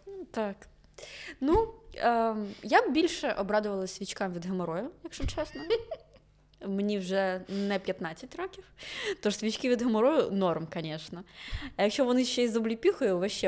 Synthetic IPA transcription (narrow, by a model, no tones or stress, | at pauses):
t̪ɑk | nu | jabbʲilʲʃɛʔɔbɾɑd̪ʊʋɐlˠɐsʲʋʲit͡ʃkɑmʋʲid̪ɦɐmɔɾɔjʊjɐkʃʊt͡ʃɛsnɐ | mnʲiwʒɛnɛpʲjɐt̪nɑt͡sʲːɐtʲrɔkʲiwt̪ɔʃsʲʋʲit͡ʃkɪʋʲid̪ɦɐmɔɾɔjʊnɔrmkɐnʲɛʃnɐjɐkʃt͡ʃɔʋɔnɪʃʲt͡ʃːɛizɔblʲipʲixʊjʊʋɐʃɛ